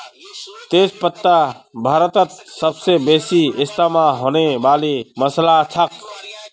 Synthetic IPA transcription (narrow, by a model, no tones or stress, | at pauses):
t̪eːspət̪ːabʱaːɾət̪ət̪̚səbsebeːsiɪst̪amaɦoːnebaːliməslat͡ʃʰək